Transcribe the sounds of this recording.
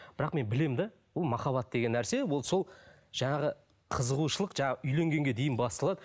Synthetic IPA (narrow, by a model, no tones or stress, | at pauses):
b̥ɪɾɑqme̞nbɪle̞md̪ɑ | wolˠmɑχɑβɑt̪̚d̪e̞ɡʲe̞nːæɾse̞wo̞lˠso̞lˠ | ʒ̥ɑɴɑʁə | qʰəzəʁuʃəlˠəqʒɑɴɑəʔʏjle̞ŋɡʲe̞ŋɡʲe̞d̪e̞jɪnbɑst̪əlˠɑd̪ə